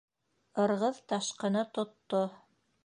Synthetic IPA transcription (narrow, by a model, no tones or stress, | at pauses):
ɤ̆ɾʁɤðt̪ɑʃqɤ̆nɤt̪ŏt̪ːo